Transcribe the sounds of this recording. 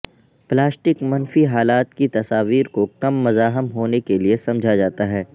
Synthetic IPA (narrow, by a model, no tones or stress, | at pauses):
plaːsʈɪkmɐnfiɦaːlaːt̪kit̪ɐsaːʋiːɾkokɐmːɐzaːɦɪmɦoːnekeliesɐ̃md͡ʒʱad͡ʒaːt̪aɦɛː